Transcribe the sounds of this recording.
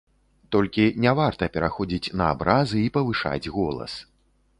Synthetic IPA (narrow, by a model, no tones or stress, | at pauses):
t̪ɔlʲkʲinʲavart̪ɐpʲɛɾaxɔd͡zʲit͡sʲnɐa̰bɾazɨipɐvɨʂa̰d͡zʲɣɔlˠɐ̰s